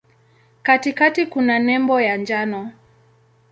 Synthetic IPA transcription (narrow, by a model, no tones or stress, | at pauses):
katikatikunanɛmbɔjand͡ʒanɔ